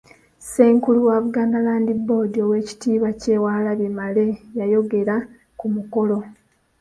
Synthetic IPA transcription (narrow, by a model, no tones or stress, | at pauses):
se̞ːŋkuluwaβuɡaːndalaːndibːo̞ːdio̞we̞ːci̥tiːβace̞waːlaβjemale̞jajo̞ɡe̞ɾa | kumuko̞lo̞